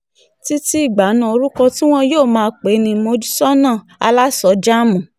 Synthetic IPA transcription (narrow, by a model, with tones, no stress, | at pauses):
ti˦ti˦i˦˨ɡ͡ba˨˦nã˦˨o˧ɾu˦kɔ˧ti˦w̃ɔ̃˧joː˦˨mãː˧˦k͡pe˨˦nĩ˧mo˧d͡ʒi˦sɔ˦nãː˦˨ | a̰˧la˦sɔ˧˦d͡ʒa˦mũ˨